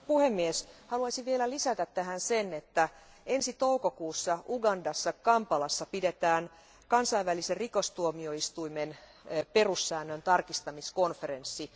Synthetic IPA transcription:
puhe̞mːieshɑluɑsiʋielælisæt̪æt̪tːæhænsenet̪ːæ | e̞nsit̪oukokuːsːɑʔuɡɑndɑsːɑkɑmpɑlɑsːɑpidet̪æːn | kɑnsɑiʋʋæliserrikost̪uomio̞ist̪uimen | pe̞rusːæːnːønt̪ɑrkist̪ɑmisko̞nfeɾensːi

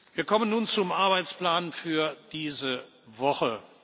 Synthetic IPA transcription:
viːɐkʰɔmənːuːnt͡sʊmʔaɐbaɪt͡spl̥aːnfyːɐd̥iːzə | vɔχə

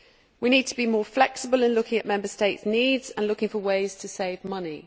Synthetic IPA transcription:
winiːd̚tʰəbimɔːflɛksɪbəlɪ̃nlʊkɪ̃ŋəʔmɛ̃mbəsteɪtsniːdz̥ə̃nlʊkɪ̃ŋfəweɪz̥tʰəseɪvmʌni

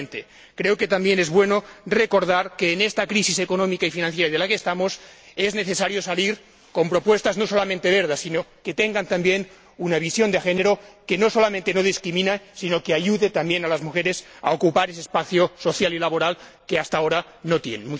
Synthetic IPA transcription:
nt̪e | kɾeoke̞t̪ambje̞nezβwe̞no̞reko̞ɾðaɾkeːnest̪akɾisise̞konõ̞mikaifinãnθjeɾaðelakeːst̪amosezne̞θe̞saɾjo̞saliɾ | ko̞mpɾo̞pwe̞st̪azno̞so̞lamẽnt̪e̞βeɾð̞asinoket̪eŋɡant̪ambje̞n | unaβ̞isjo̞nd̪exeneɾoke̞no̞so̞lament̪eno̞ð̞iskɾimĩnasino̞keaʎuðet̪ambje̞nalazmuxeɾe̞sa̰okupaɾesespaθjoso̞θjalilaβoɾal | keast̪aoɾa | not̪jenemu

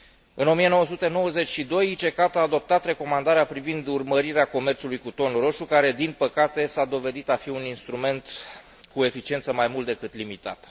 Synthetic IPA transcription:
ɨno̞mije̞no̞wəsut̪e̞no̞wəze̞t͡ʃʲʃid̪o̞jit͡ʃe̞kat̪aːd̪o̞p̚t̪at̪re̞ko̞mand̪aɾeapɾivind̪urməɾiɾeako̞me̞rt̪sulujkut̪o̞nɾo̞ʃukaɾe̞d̪inpəkat̪e̞sad̪o̞ve̞d̪it̪afiuninst̪ɾume̞nt̪ | kue̞fit͡ʃie̞nt̪səmajmult̪̚d̪e̞kɨt̪limit̪a̰t̪

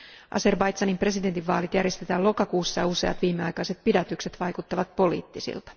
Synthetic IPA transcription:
ʔɑ̰se̞rbɑjt̪sɑnimpre̞sident̪iʋːɑːlit̪jærje̞st̪e̞t̪ælo̞kɑkuːsːɑjɑuse̞ɑ̰t̪ʋiːmːe̞ɑjkɑjse̞t̪̚pidæt̪ykse̞t̪ʋɑjkut̪ːɑʋɑt̪̚po̞lḭːt̪ːisḭlt̪ɑ̥

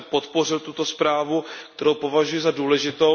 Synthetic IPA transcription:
po̞t̪po̞r̝ɪlt̪ut̪o̞spɾaːvukt̪ɛɾo̞wpo̞vaʒujɛzaduːlɛʒɪt̪o

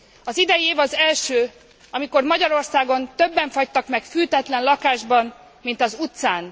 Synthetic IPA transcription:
ɒzid̪ɛjieːvɒzɛlʃøː | ɒmiko̞rmɒɟɒɾo̞rsaːɡo̞nt̪ø̞bːɛɱfɒct̪ɒkmɛkfylt̪ɛt̪lɛnlɒkaːʒbɒn | mint̪ɒzut̪saːn

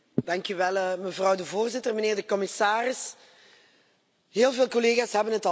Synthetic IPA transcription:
dɑŋkyʋɛlˠəməvrɑwdəvoːrzɪtərməneːrdəkɔmɪsaːrɪs | ɦeːlˠveːlˠkɔleːɣaːsɦɛbənɦətɑ

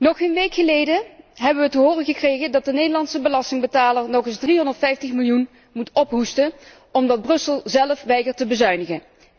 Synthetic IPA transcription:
nɔχenʋejkχəlejdəɦɛbəʋətəɦʊːrəɣəkrejɣəndɑt̚dənejdəlɑnsəbəlɑstɪŋbətaːləɹnɔχɪzdriɦɔndəɹtfɛjftəχmɪlˠjun | mutɔpɦustə | ɔmdɑd̚brɵsəlˠzɛlˠəfʋɛjkəɹtəbəzœɥnəɣən

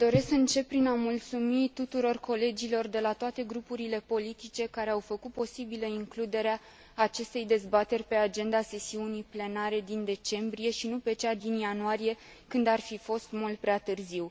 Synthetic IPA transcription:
d̪o̞ɾe̞skɨnt͡ʃe̞ppːɾinamult̪sumit̪ut̪uɾo̞rko̞le̞d͡ʒilo̞rd̪e̞lat̪oat̪e̞ɡɾupuɾile̞po̞lit̪it͡ʃe̞kaɾe̞awfəkut̪̚po̞sibiləiŋklud̪e̞ɾeaː | t͡ʃe̞st̪e̞jd̪e̞zbat̪e̞rʲpe̞ad͡ʒe̞nd̪ase̞siunijple̞naɾe̞d̪ind̪e̞t͡ʃe̞mbɾije̞ʃinupe̞t͡ʃad̪injanuaɾije̞ | kɨnd̪arfifo̞st̪mult̪̚pɾeat̪ɨrziw

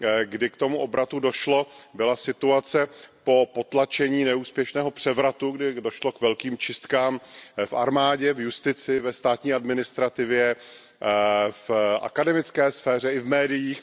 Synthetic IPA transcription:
ɡdɪkt̪o̞muʔo̞bɾat̪udo̞ʃlo̞bɪlasɪt̪uat͡sɛpo̞po̞t̪lat͡ʃɛɲiːnɛuːspjɛʃnɛːɦo̞pr̝̥ɛvɾat̪uɡdɪdoʃlokvɛlkiːmt͡ʃɪst̪kaːmfʔa̰ɾmaːɟɛvjust̪ɪt͡sɪvɛst̪aːt̪ɲiːadmɪnɪst̪ɾat̪ɪvjɛ | fʔa̰kadɛmɪt͡skɛːsfɛːrɛɪvmɛːdɪjiːx

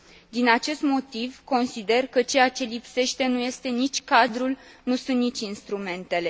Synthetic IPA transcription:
d̪inat͡ʃe̞st̪mo̞t̪ivko̞nsid̪e̞rkət͡ʃe̞jat͡ʃe̞lipse̞ʃt̪e̞nuje̞st̪e̞nit͡ʃʲkad̪ɾulnusunt̪nit͡ʃʲinst̪ɾume̞nt̪e̞le̞

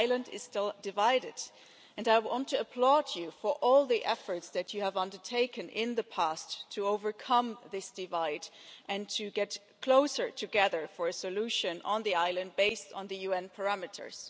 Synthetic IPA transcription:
ɪlə̃ndɪ̰z̥tɪlˠdɨvaɪɾɪd | ɨ̃naɪwɑ̃ntʰɨəpʰl̥ɔd͡ʒɨfə˞ʔɔlˠðiʔɛfə˞tsðɨt͡ʃɨəvʌ̃ndə˞tʰeɪkɨ̃nʔɪ̃nðəpʰæstʰɨoʊvə˞kʰʌ̃mðɪsd̥ɨvaɪdʔɨ̃ntʰɨɡɛt̚ | kʰl̥oʊsə˞tʰɨɡɛðə˞fə˞ɨsɨlʉʃɨ̃nʔə̰̃nðiaɪlˠɨ̃nd̚beɪstn̩ðɨjʉɛ̃npʰə˞æmɨɾə̰˞z̥

